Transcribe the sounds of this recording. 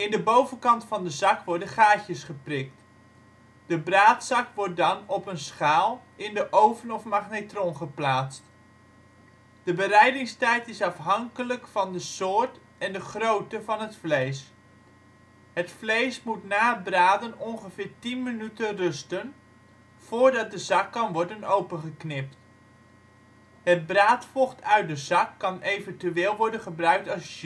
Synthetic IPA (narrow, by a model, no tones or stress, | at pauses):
ɪndəbowvənkɑntfɑndəzɑkʋɔɹdəχaːcjəsχəprɪk̚t | d̥əbraːtsɑkʋɔɹt̚dɑnɔpənsχaːlˠɪndəʔowvənɔfmaχnetrɔnχəplaːt͡st | d̥əbərɛjdɪŋstɛjtɪsɑfɦɑŋkələkfɑndəsʊːɹt | ɛndəχrowtəvɑnɦətflejs | hətflejsmutnaːbraːdənɔnχəfɪːɹtinmənytənrɵstən | foːɹdɑt̚dəzɑkːɑnʋɔɹdənowpəχəknɪp̚t | hət̚braːtfɔχtʰœɥt̚dəzɑkːɑnejvəntyeːlˠʋɔɹdənχəbrœɥk̚tɑs